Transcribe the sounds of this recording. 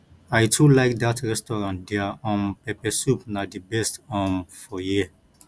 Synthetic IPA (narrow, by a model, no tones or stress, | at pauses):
aɪtʰulaɪk̚datɹɛstɔɹãntdɛaʔɔ̃npɛpɛsupnadibɛstɔ̃nfɔjiə